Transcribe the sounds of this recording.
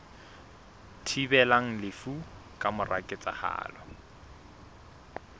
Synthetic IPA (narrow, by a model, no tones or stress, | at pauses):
tʰibɛlaŋ̩lɪfukʼamʊra̰kʼɪt͡sʼa̰ha̰ːlɔ